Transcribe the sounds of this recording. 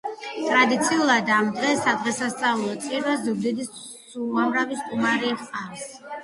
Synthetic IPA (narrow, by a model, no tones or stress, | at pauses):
t̪ʼɾad̪it̪sʰiulˠad̪amd̪ʁɛsad̪ʁɛsast̪sʼaulˠɔt̪sʼiɾvazuɡ̚d̪id̪is | suamɾavist̪ʼumaɾiχʼaɾs